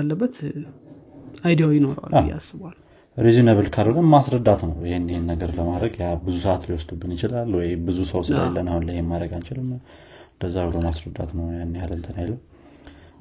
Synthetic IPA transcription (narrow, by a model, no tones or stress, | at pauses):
lːəbːət̪ | ʔajd̪ijawjɪno̞ɾa̰lja̰sːɨβal | ɾizinəβɨlkʰalhonɨmːasɾəd̪ːat̪nəwjɪhenːɪhenːəɡəɾləmad̪ɾəɡjabɨzusəʔat̪liwɔsd̪ubːɨnjɪt͡ʃɪlalːwɔjbɨzusəwsɨla̰lːənahunləjhemːad̪ɾəɡant͡ʃɪlɨn | ɨnd̪əzːawuləmasɾəd̪ːa̰t̪nəwjanːjalənt̪ʰənajləw